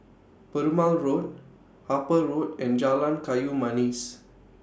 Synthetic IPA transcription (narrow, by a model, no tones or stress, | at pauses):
pəɾumãlɹot̚ | hapəɹotɛ̃nd͡ʒalãnkajumãnis